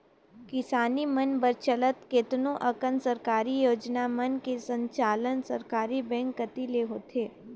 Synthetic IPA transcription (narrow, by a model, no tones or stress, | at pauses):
kɪsaːnimənbəɾt͡ʃələt̪keːt̪nõʔɐkənsəɾkaːɾijoːd͡ʒnamənkesə̃ɲt͡ʃaːlənsɐɾkaːɾibɛ̃ːŋkːət̪ileɦoːt̪ʰeː